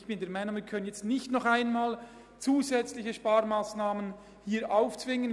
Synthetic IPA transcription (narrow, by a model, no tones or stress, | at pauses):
çb̥ɪndeːɐmaɪnʊŋmiːkʰœnənjɛt͡stnɪçtnɔχaɪnmaːl | t͡suːzɛt͡slɪçəʃpaːɾmaːsnaːmən | hiːɾʔaʊft͡svɪŋən